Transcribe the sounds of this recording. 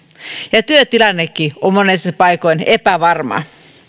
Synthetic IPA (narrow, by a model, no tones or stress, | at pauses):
jɑt̪yøt̪ilɑnːekːiommonesepɑikoinepæʋɑrmɑ̰